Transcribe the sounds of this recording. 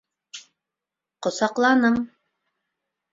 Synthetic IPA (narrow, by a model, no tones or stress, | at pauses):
qŏsɑqlˠɑnɤm